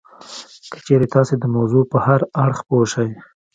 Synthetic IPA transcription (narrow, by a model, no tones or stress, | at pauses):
kə̥t͡ʃeɾet̪ɑsed̪əmawzupəhaɾaɽxpoʃəj